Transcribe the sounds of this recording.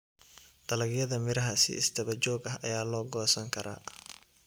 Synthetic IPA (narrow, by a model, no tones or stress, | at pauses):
t̪ɐlɐɡjɐðɐmɪɾɐɦɐsɪ̰ɪst̪ʰɐβɐt͡ʃɔːɡɐɦɐjaːlɔːɡɔːsɐŋkʰɐɾa̰ː